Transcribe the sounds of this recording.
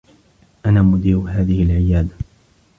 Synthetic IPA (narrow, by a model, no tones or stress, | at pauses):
ʔanaːmʊd̪iːɾʊɦaːðɪhɪlʕɪjaːd̪a